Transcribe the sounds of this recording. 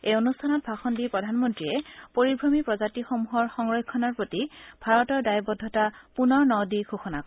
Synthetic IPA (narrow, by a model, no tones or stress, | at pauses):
ejonustʰanɔt̚bʱaxɔndipɹɔdʱanmɔntɹiɛpoɹibʱɹomipɹɔzatixomuɦɔɹxɔŋɹɔjkʰːɔnaɹpɹotibʱaɹɔtɔɹdajbɔdʱːɔtapunɔɹnɔwdikʰoxɔnakɔ